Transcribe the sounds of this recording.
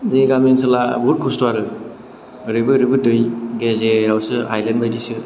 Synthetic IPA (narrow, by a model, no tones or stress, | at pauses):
zeɡamensɯlabuɾt̚kʰustwaɾɯ | ɾɯbɯɾɯbɯdɯjɡezeɾawsɯa̰jlenbajdisɯ